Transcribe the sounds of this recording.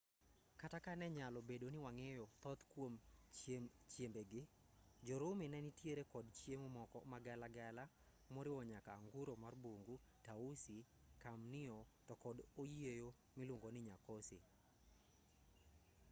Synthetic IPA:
katakanɛɲalɔbedonɪwaŋejɔt̪ɔt̪kwomt͡ʃjemt͡ʃjembeɡɪ | d͡ʒɔɾʊmenɛnɪtjeɾekɔdt͡ʃjemomɔkɔ̰maɡɛlaɡɛla | mɔɾɪɔɲakaːŋɡʊɾomarboŋɡu | tausikamnɪɔtɔkɔdojiejo | mɪloŋɡonɪɲakosḛ

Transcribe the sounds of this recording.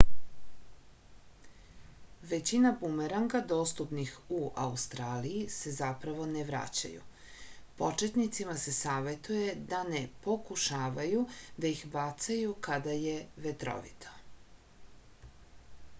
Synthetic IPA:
ʋe̞t͡ɕinapumeɾaŋɡad̪o̞ːst̪upnixuʔaust̪ɾaːlijise̞zapɾaʋo̞neʋɾa̰t͡ɕa̰jṵ | po̞t͡ʃe̞t̪nit̪simase̞saːʋe̞t̪uje̞d̪anepo̞kuʃaːʋajud̪aixbat̪sajukad̪aje̞ʋet̪ɾo̞̰ʋḭt̪ʰo̥

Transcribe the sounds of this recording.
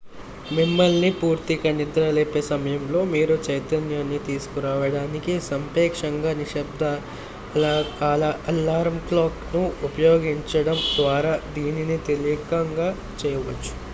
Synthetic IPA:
mimːɐlnipuːɾt̪ikɐnid̪ɾɐleːpeːsɐmɐjɐmlo̞ːmiːɾut͡ʃɐjt̪ɐnjaːnːit̪iːsu̥kuɾaːʋɐɽaːnikisɐmpɛːkʂɐŋɡaːniʃɐbd̪ɐ | aːlɐɐlaːɾmklaːknuupɐjoːɡiɲt͡ʃɐɽɐmd̪ʋaːɾaːd̪iːninit̪elijɐkɐŋɡaː | t͡ʃɛːjɐʋɐt͡ʃːu̥

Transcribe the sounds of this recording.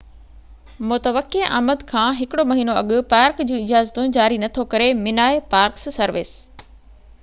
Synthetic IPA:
mʊt̪əʋəkːeʔa̰ːməd̪kʰãːɦɪkɪɽomɐɦiːnoɐɠʊ̆paːɾkd͡ʑũːɪd͡ʑaːzt̪ũd͡ʑaːɾinɐt̪ʰokɐɾemɪnaːepaːɾkssɐɾʋɪ̰s

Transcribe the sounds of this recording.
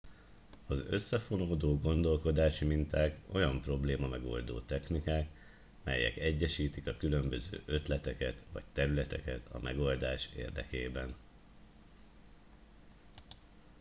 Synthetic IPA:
ɒzøsːɛfo̞noːd̪oːɡo̞nd̪o̞lko̞d̪aːʃimint̪aːko̞jɒmpro̞bleːmɒmɛɡo̞̰ld̪o̰ːt̪ɛxnikaːk | mɛ̰jːɛ̰kɛɟːɛʃiːt̪ikɒkylø̞mbø̞zø̰ːʔøt̪lɛt̪ɛkɛt̪ʋɒ̰ct̪ɛɾylɛt̪ɛkɛt̪ʰɒ̰mʔɛɡo̞ld̪aːʃḛːrd̪ɛkeːbɛn

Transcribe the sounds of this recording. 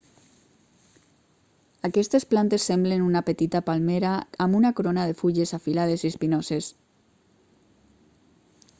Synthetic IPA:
akɛst̪esplant̪esːemblenunapet̪it̪apalmeɾaːmunakoɾonaðefuʎesafilað̞esispinoses

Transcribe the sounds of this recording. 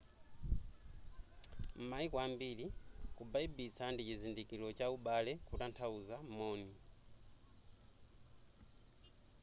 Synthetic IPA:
m̩maikwambilikubaibit͡sʰandit͡ʃizindikilɔt͡ʃauɓalɛkutantʰauzamɔːni

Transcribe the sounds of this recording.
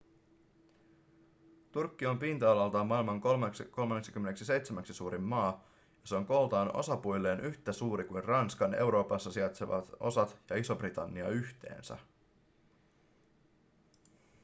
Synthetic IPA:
t̪urkːio̞mpint̪ɑɑlɑlt̪ɑmːɑilmɑŋkolmko̞lmɑnːeksi̥kymːeneksise̞jt̪semæksisuːɾimːɑː | jɑseo̞ŋko̞lt̪ɑːno̞̰sɑpujlːe̞ːnʔyçt̪æsuːɾikujnrɑnskɑne̞wɾo̞ːpɑsːɑsiɑt̪seʋɑ̰t̪o̞̰sɑt̪jɑiso̞brit̪ɑnːiɑ̰yçt̪ḛːnsæ̰

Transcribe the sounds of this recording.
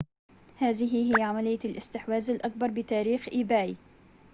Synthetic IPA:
haːðɪɦɪɦɪjːaʕamalɪjːaalʔɪst̪ɪħwaːzalʔak̚bɑɾˤbɪt̪aːɾiːxʔiːbaːj

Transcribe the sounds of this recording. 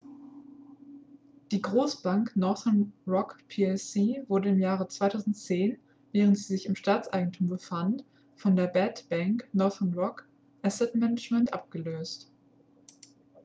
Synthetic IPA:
d̥iːɡʁoːsb̥aŋknɔɐθənʁɔkpʰiːɛsiːvʊɐdəɪmjaːʁ̞ət͡sv̥aɪtʰaʊzn̩tt͡seːn | vɛːʁ̞əntz̥iːzɪçɪmʃtaːt͡sʔaɪɡŋ̩tʰuːmbəfant | fɔndeːɐbɛtb̥aŋknɔɐðɐnʁɔk | ʔasɛtmɛnət͡ʃmɛntʔa̰p̚ɡ̥əløːst

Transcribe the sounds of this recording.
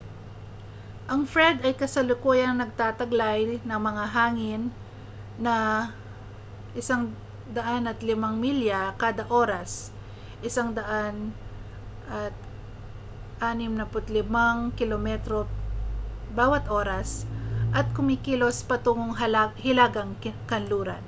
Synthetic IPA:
ʔɐŋfɾɛd̪ɐjkɐsɐlʊkuːjɐŋnɐɡ̚t̪aːt̪ɐɡlajnɐŋmɐŋaɦaːŋɪnː | ɐ | ʔɪsaŋ | d̪ɐʔanɐt̪lɪmaŋmiljakaːd̪ɐʔo̞ːɾɐs | ʔɪsaŋd̪ɐʔan | ʔɐt̪̚ | ʔaːnɪmnɐpʊt̪lɪmaŋkɪlomɛt̪ɾo̞ | baːwɐt̪ʔo̞ɾɐsʔɐt̪̚kʊmɪkilo̞spɐt̪ʊŋoŋɦɐlaɦɪlaːɡɐŋkkɐnluːɾɐ̰n

